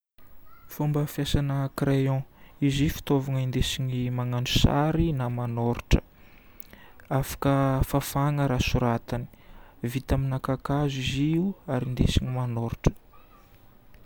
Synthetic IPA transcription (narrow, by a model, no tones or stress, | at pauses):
fumbəfjasanəkrejɔ̃izifi̥t̪ovaŋəind̪esiɲimaŋanu̥sa̰ɾinamanoɾʈ͡ʂə̥ | afḁkəfafaŋəɾasuɾat̪ani̥vit̪aminakakaziziuaɾind̪esiɲimanoɾʈ͡ʂə̥